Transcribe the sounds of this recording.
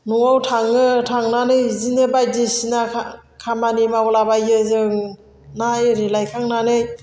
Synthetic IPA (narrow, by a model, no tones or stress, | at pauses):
nuŋawtʰaŋɯtʰaŋnanɯjzinɯbajdesinakʰamanimawlabajɯzɯŋ | najɾilajkʰaŋnanɯj